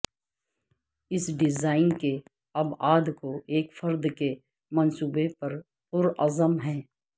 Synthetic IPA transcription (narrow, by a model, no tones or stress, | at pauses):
ɪsɖɪzaːɪnke | ɐbaːd̪koʔeːkfɐɾd̪ke | mɐnsuːbepɐɾ | pʊɾɐ̰zəmɦɛ̃ː